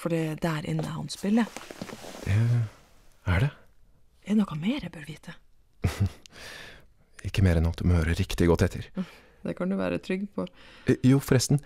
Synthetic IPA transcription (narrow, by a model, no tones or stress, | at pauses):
fɔɖiːd̪æɾʔɪ̰nːəæ̰ɾhɑ̰nspɪlːə | ɛ | æɖɛ | ɛd̪ɛnɔkːɑmeːɾɛbøːɾʋiːt̪ʰə | ɪkːəmeːɾɛnɑt̪̚d̪ʉmɔhøːɾəɾɪkt̪ɪɡɔt̪ːɛt̪ʰːəɾ | d̪ɛkʰɑnd̪ʉʋæ̰ːɾə̰t̪ʰɾʏɡpʰɔjuːfɔɾɛst̪n̩